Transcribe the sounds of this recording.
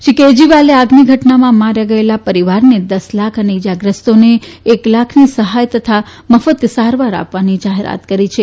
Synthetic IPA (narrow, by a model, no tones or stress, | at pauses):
ʃiked͡ʒiʋaleaɡniɡʱəʈnamãmaɾjaɡəelapəɾiʋaɾned̪əslakʰəneid͡ʒaɡɾəst̪one | eklakʰnisəɦajt̪ət̪ʰa | məfət̪saɾʋaɾa̰pʋanid͡ʒaɦeɾa̰t̪kəɾit͡ʃʰe